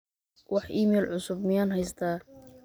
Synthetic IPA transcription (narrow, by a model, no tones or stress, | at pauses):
wʔɑħʔiːmɛːlʕʊsʊb̚mɪjanɦɛjst̪ʰaː